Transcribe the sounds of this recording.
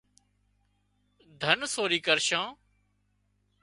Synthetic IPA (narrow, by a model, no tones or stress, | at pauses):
d̪ʱənsoːɾiːkəɾʃãː